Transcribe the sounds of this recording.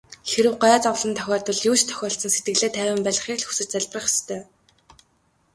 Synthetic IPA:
xeɾɘ̆wɢaaːt͡sɔwɮɞ̆nt̪ʰœ̥xʲɔːrt̪ə̆ɮjuːt͡ɕt̪ʰœ̥xʲɔːɬsə̆nset̪̚ɡɘ̆ɣɮeːt̪ʰæːwɘ̆mpæɮ̆χiːkɮxu̥sɘ̆t͡ɕ̚t͡sæɮʲp̆rə̆χe̥st̪ʰœː

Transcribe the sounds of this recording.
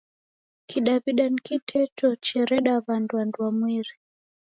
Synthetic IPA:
kiɗaβiɗankitʰɛtɔt͡ʃɛɾɛɗaβandwandwamwiɾi

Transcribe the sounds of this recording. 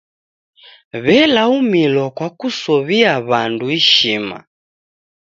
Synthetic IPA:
βɛlaumilɔkwakusɔβiaβanduiʃima̰

